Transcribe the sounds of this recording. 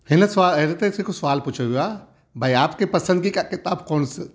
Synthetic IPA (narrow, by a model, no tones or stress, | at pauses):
hɪnəsʋaːlɐd̪et̪eɪsekosʋaːlput͡ʃʰaʋijoaː | bʱɐiaːpkepɐsə̃nd̪̚kikakɪt̪aːbkɔːns